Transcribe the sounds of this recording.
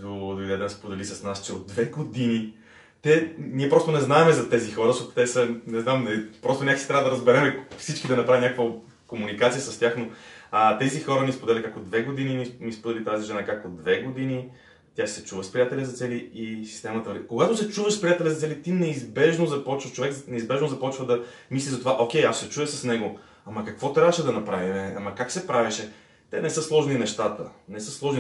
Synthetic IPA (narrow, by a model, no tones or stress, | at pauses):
d̪od̪oid̪ɛd̪ɛspod̪ɛlisɐsnast͡ʃɛod̪̚ːvɛɡod̪ini | t̪ɛniɛpɾɔst̪onɛznaɛmɛzɐt̪ɛzixɔɾəsɔt̪ɛsənɛznamnɐipɾɔst̪onʲaksɛt̪ɾʲavəd̪ɐɾəzbɛɾɛmɛfsit͡ʃkid̪ɐnɐpɾavinʲɲakəkvə | komunikat̪sijəsəst̪ʲjaxnoət̪ɛzixɔɾəmispod̪ɛlʲəkakod̪vɛɡod̪inimimispod̪ɛlit̪aziʒɛnakakod̪vɛɡod̪ini | t̪jasɛt͡ʃuvəspɾijat̪ɛlʲɛzɐt̪sɛliisi̥st̪ɛmɐt̪əvɾikoɡat̪ʊsɛt͡ʃuvəʃspɾijat̪ɛlʲɛzɐt̪sɛlit̪inɛizbɛʒnozɐpɔt͡ʃvət͡ʃovɛknɛizbɛʒnozɐpɔt͡ʃvəd̪ɐ | mislʲiʒzɐt̪ovaʔokʲɛjasːɛt͡ʃuəsəsnɛɡo | ɐmɐkɐkvɔt̪ɾʲavəʃɛd̪ɐnɐpɾavimɛamɐkaksɛpɾavɛʃɛ | t̪ɛnɛsɤslˠɔʒninɛʃt̪at̪ənɛsəslˠɔʒni